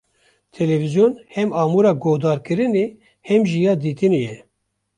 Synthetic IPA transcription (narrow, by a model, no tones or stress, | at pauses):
t̪ʰɛlɛvizjonhɛmɑːmuɾɑːɡoːhd̪ɑːɾkɨɾɨneː | hɛmʒijɑːd̪iːt̪ɨnejɛ